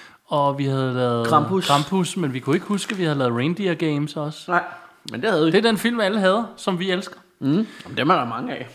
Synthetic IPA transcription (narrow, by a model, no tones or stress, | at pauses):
ɒ̽ʋihæð̞̩ˠlɛːð̞ˠʁɑmusʰʁɑ̈mbʰusmenʋikʰue̝ɡ̥əhusɡ̥əʋihæðˠlɛːð̩ˠʁeɪnd̥iɐɡ̥eɪmsɒ̽s | mend̥ehæð̩ˠd̥e̝ɐd̥enfil̰miæləɦæð̞̩ˠsɒ̽mʋielsɡ̥ð̩ˠmd̥emæɾ̥ɑ̈mɑ̈ŋəɛ